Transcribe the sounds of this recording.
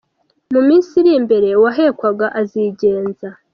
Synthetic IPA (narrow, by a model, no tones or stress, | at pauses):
mumiːnsiɾimbe̞ɾe̞waɦe̞ːkwaɡaʔaziɟe̞ːnza